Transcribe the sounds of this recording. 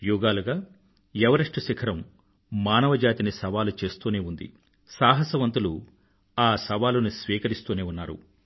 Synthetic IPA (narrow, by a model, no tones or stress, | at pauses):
juːɡaːluɡaː | jɛʋɐɾɐʂʈɐsikʰɐɾɐm | maːnɐʋɐd͡ʒaːt̪inisɐʋaːlut͡ʃe̞ːst̪uːne̞ːund̪ḭ | saːɦɐsɐʋɐnt̪ulu | aːsɐʋaːlunisʋiːkɐɾist̪uːne̞ːunːaːɾṵ